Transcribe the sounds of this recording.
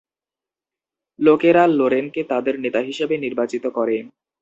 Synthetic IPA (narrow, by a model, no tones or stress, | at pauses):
lokeɾaloɾenket̪ad̪eɾnet̪aɦiʃebeniɾbat͡ɕit̪okɔɾe